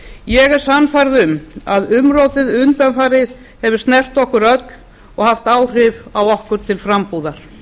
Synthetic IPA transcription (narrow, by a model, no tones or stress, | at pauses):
jɛɣɛɾ̥sanːfajɾðʏmaðʏmɾoːwt̪ɪðʏnt̪anfaːɾɪð | hɛvʏ̥ɾsnɛr̥t̪ɔhkʏɾœt̪n | ɔɣhaft̪aːwr̥ɪvawɔhkʏɾ̥t̪ʰɪlfɾampuðaɾ̥